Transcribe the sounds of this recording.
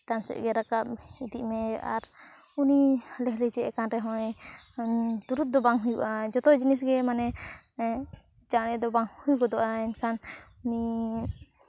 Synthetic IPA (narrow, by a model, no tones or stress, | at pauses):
t̪ansɛ̰ʔɡɛɾakap̚id̪iʔmɛa̰ɾ | unilɛɦlɛd͡ʒɛʔɛkanɾɛɦɔ̃ | t̪uɾut̪̚d̪ɔbaŋɦujuʔad͡ʒɔt̪ɔd͡ʒinis̬ɡɛmanɛ | d͡ʒanɛd̪ɔbaŋhujɡɔd̪ɔʔaɛnkʰan | uni